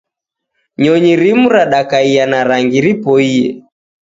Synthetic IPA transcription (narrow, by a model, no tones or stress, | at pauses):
ɲɔɲiɾimuɾaɗakaianaɾaŋɡiɾipɔiɛ̰